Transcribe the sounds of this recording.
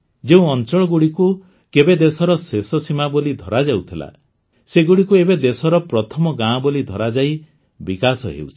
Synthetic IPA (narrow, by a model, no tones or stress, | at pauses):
d͡ʒeũɔnt͡ʃɔɭɔɡuɽiku | kebed̪esɔɾɔsesɔsimabolid̪ʱɔɾad͡ʒawt̪ʰila̰ | seɡuɽikuebed̪esɔɾɔpɾɔt̪ʰɔmɔɡãbɔlid̪ʱɔɾad͡ʒai | bikasɔ̰ɦḛut͡ʃʰi̥